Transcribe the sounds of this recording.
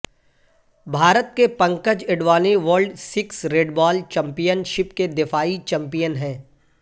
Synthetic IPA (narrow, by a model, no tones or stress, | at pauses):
bʱaːɾət̪̚kepɐ̃ŋkəd͡ʒɪɖʋaːneʋəːɾlɖsɪksɾeːɖbaːlt͡ʃɛ̃mpijənʃɪpked̪ɪfaːit͡ʃɛ̃mpijənɦɛ̃ː